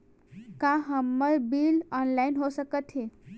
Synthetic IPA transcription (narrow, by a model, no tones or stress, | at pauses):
kaɦəmːəɾbilɔnlainɦosəkət̪ʰɦẽ